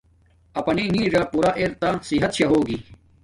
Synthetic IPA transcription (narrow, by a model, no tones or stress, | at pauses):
ɐpɐniŋĩːɾapuɾaʔeɾt̪asiɦɐt̪ɕɐɦoːɡi